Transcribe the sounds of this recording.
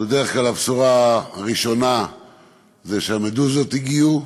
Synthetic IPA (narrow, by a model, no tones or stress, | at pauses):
bed̪eʁeχklalapsuʁaʁiʃo̞na | zeʃeamed̪uzot̪iɡiu